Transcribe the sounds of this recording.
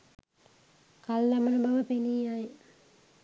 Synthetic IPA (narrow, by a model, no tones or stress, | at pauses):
kalːɐmənəbaʋəpeniːaj